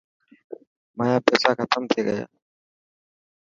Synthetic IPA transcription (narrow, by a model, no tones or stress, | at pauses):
maːjaːpɛːsaːkʰət̪əmt̪ʰeːɡəja̰ː